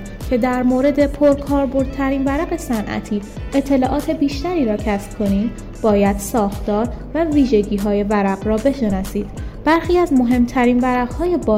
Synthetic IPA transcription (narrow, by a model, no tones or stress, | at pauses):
cʰe̞d̪æɾmoːɾe̞d̪e̞pʰoɾkʰɒːɾbo̞ɾd̪̥̚t̪ʰæɾiːnvæɾæɢe̞sænʔæ̰t̪ʰiː | e̞t̪ʰːe̞lɒːʔɒːt̪ʰe̞biːʃt̪æɾiːɾɒːcʰæsb̥̚kʰo̞niːm | b̥ɒːjæd̪̥sɒːxt̪ɒːɾvæviːʒe̞ɟiːɦɒːje̞væɾæɡɾɒːbe̞ʃe̞nɒsiːd̪̥b̥æɾxiːæzmo̞ɦe̞mt̪ʰæɾiːnvæɾæɢhɒːje̞bɒː